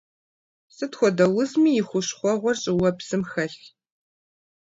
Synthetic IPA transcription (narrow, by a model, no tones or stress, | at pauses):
sɨtxʷɔdɐwʊzmiːjɪxʷʊɕχʷɔʁʷɔrɕʼɪwɐpsɨmxɐɬ